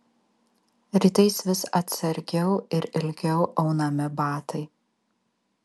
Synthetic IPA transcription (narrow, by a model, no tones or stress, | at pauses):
ɾʲiːt̪ɐɪsʋʲɪsɐt̪ʲsɐɾʲɡʲɛʊɪɾɪlʲɡʲɛʊʔɐʊnɐmʲɪbɑːt̪ɐɪ